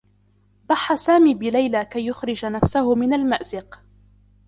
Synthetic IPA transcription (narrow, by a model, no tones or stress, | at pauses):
d̪ˤɑħːasaːmiːbɪlajlakajːʊxɾɪd͡ʒanafsahʊmɪnalmaʔzɪq